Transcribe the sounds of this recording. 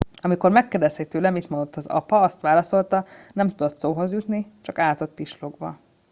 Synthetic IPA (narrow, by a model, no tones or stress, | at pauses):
ɒmiko̞rmɛkːeːrd̪ɛshɛt̪øːlɛmit̪mond̪ot̪ːɒzɒ̰pɒɒst̪ʋaːlɒso̞lt̪ɒnɛmt̪ud̪o̞t̪soːɦo̞zjut̪nit͡ʃɒkaːt̪o̞t̪̚piʃlo̞ɡbɒ̰